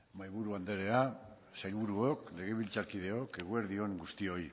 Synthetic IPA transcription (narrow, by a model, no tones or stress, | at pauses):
majβuɾuand̪e̞ɾe̞a | sajlβuɾuokle̞ɣe̞β̞ilt͡saɾkið̞e̞o̞ke̞ɣueɾðio̞ŋɡust̪io̞j